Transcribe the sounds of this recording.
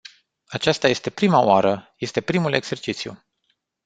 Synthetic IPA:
at͡ʃast̪aje̞st̪e̞pɾimao̰aɾəje̞st̪e̞pɾimule̞ɡz̥e̞rt͡ʃit̪sjṵ

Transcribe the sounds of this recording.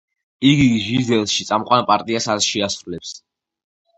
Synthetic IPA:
iɡiʒizɛlˠʃit̪sʼamqʼwanpʼaɾt̪ʼiasazʃiasɾulɛps

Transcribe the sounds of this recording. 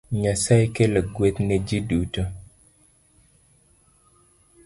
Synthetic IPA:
ɲasajkeleɡwet̪ned͡ʒiduto

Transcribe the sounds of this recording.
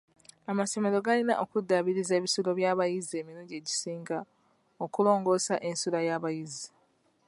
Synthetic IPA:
amaso̞me̞ɾo̞ɡalina̰ʔokudːaβiɾizeːβisulo̞βjaːβajizie̞ːmiɾuɟe̞ːɟisiːŋɡa | okulo̞ːŋɡo̞ːsaʔe̞nsulajaβajizi

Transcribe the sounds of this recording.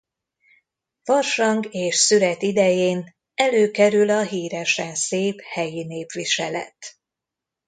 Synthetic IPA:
ʋɒrʃɒŋɡeːʃsyɾɛt̪id̪ɛjeːn | ɛløːkɛɾylɒɦiːɾɛʃɛnseːphɛjineːpʋiʃɛlɛ̰t̪

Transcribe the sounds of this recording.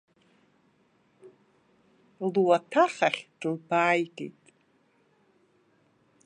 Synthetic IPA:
luwatʰaχaχʲʈ͡ʂʼɨrbaːjɡḛjtʼ

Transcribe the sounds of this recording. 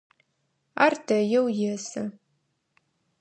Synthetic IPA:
aːrdɐjɛwjɛsɨ

